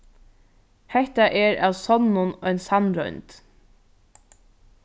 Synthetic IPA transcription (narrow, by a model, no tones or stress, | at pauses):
hɛht̪aʔɛɾa̰wsɔnːʊnœjnsanɾɔ̰jnt̪